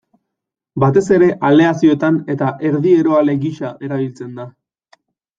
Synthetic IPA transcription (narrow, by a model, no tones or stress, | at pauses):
bat̪e̞se̞ɾe̞ʔale̞asio̞et̪ane̞t̪aʔe̞ɾðie̞ɾo̞ale̞ɣiʃaʔe̞ɾaβ̞ilt͡se̞nd̪a